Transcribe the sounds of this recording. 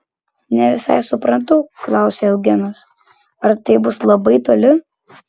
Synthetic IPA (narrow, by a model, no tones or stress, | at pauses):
nʲɛʋʲɪsɐ̰ɪsʊpɾɐnt̪ɐʊklˠɑˑʊsʲeɛlˠɡʲɪnos | ɐɾt̪ɐɪbʊslˠɐbɐɪt̪oːlʲɪ